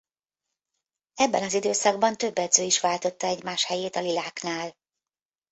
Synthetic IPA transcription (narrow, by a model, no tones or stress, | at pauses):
ɛbːɛnɒzid̪øːsɒɡ̚bɒnt̪ø̞bːɛd̪zøːiʃʋaːlt̪o̞t̪ːɒɛɟmaːʃhɛjeːt̪ɒlilaːknaːl